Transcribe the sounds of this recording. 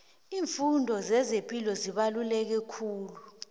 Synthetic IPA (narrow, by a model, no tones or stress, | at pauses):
iːɱfundʱɔzɛzempʼilɔziɓalulɛk̬ɛkʰuːlu